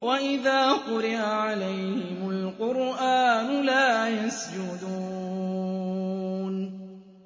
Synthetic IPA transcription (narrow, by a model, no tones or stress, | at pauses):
waʔɪðaːqʊɾɪʔaʕalajhɪmʊlqʊɾʔaːnʊlaːjasd͡ʒʊd̪uː | n